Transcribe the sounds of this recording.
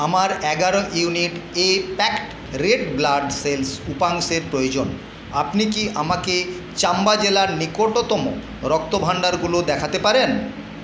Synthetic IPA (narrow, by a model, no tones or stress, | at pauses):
amaɾɛɡaɾojuniʈepɛkʈ | ɾeɖblaɖselsupaŋseɾpɾojod͡ʑon | apnikiʔamake | t͡ɕambad͡ʑelaɾnikoʈot̪ɔmo̰ | ɾɔk̚t̪obʱaɳɖaɾɡulod̪ɛkʰat̪epaɾen